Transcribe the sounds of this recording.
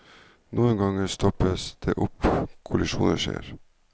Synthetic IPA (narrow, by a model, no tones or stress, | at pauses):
nuːənɡɑŋəst̪ʰɔpəsd̪̥eːʔʊpkʰʊlɪʃṵːnəʃḛːɾ